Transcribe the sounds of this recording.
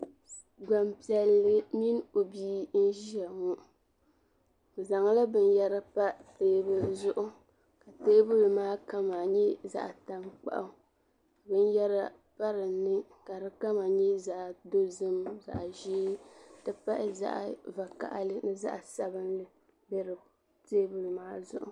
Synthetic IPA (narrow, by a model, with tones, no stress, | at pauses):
ɡ͡ba˨mpi˨ɛ˨lːɨ˦mi˦n˦o˨biː˦n̩˦ʒi˦a˨ŋʊ˦ | o˨za˨ŋa˦la˦bɨ˦n˦jɛ˦ɾa˦pa˦teː˦bɨ˦zʊ˦ʔʊ˦ | ka˨teː˦bɨ˦lɨ˨maː˦ka˦ma˨ɲɛ˦za̰˨ʔa˨ta˦mk͡pa̰˦ʔa˦ | ka˨bɨ˦n˦jɛ˦ɾa˦ | pa˦ɾɨ˨nːɨ˦ | ka˨ɾɨ˦ka˦ma˨ɲɛ˦za˦ʔdo˦zɨ˦mza̰˨ʔʒi˦tɨ˦pa˦ʔɪ˦za̰˦ʔa˨va˨ka̰˨ʔa̰˦lɨ˦nɨ˦za̰˦ʔsa˦bɨ˦nlɨ˦ | bɛ˦ɾɨ˨ | teː˦bɨ˦lmaː˦zʊ̰˦ʔʊ̰˦